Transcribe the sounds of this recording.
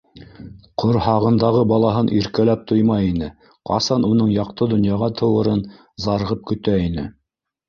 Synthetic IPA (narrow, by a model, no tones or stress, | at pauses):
qʰoɾhɑʁɤ̆nd̪ɑʁɤbɑlˠɑɦɤnʔiɾkælæp̚t̪ʰujmɑjinɘ | qɑ̰sɑnunɤɴjɑqt̪ɤd̪ŏnjɑʁɑt̪ʰɤ̆wɤ̆ɾɤn | zɑɾʁɤp̚kɵ̆t̪æinɘ̰